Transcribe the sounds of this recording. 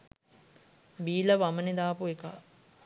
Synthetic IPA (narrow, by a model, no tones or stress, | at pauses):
biːləʋaməned̪aːpueka̰ː